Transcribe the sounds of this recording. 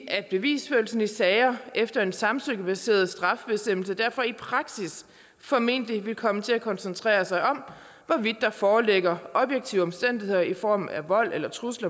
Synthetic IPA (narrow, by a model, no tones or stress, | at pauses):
ʔæd̥̚b̥e̝ʋḭːsføɐl̩sn̩isɛːɪɐefd̥ɐe̝nsɑ̈msøɡ̥əb̥æse̝̰ːɐð̞ˠsd̥ʁɑ̈fb̥e̝sd̥em̰l̩səd̥æɐ̰fɒ̽ipʰʁɑ̈ɡ̥sis | fɒ̽me̝̰n̰d̥əliʋe̝lkʰɒ̽mət͡sʰe̝ækʰɒ̽nsənt͡sʰʁɛ̰ːɐsɑ̈ɪʔɒ̽m | ʋɒʋid̥ːɑ̈fɒːleɡ̥ɐʔɒ̽b̥jeɡ̥̚t͡sʰḭʊɒ̽msd̥en̰d̥ihe̝ð̰ˠɐifɒ̰ːmæʋɒ̽l̰elɐt͡sʰʁuslɐ